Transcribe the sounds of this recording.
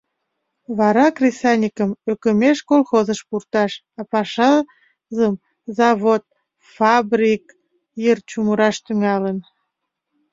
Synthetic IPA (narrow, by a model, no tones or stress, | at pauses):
βɑɾɑkrʲisɑnʲikəmøkəmeʃkolˠxozəʃpurt̪ɑʃ | ɑpɑʃɑ | zəm | zɑβot̪̚ | fɑbrʲik | jərt͡ɕuməɾɑʃt̪yŋɑlən